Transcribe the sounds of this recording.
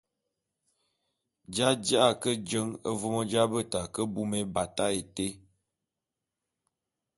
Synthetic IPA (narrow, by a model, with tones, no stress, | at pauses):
d͡ʒa˦d͡ʒa˦ʔa˨kə˦d͡ʒə˦ŋə˦vo˦mə˦d͡ʒa˦bə˦˨ta˨kə˦bu˦me˦ba˨ta˦e˨te˦